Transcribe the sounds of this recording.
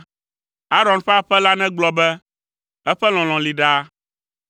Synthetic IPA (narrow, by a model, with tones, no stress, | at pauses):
a˦ɾɔ˨nɸɛ˦a˦ɸɛ˦la˦nɛ̃˦ɡ͡blɔ˨bɛ˦ | ɛ˦ɸɛ˦l̃ɔ̃˨l̃ɔ̃˨li˨ɖa˦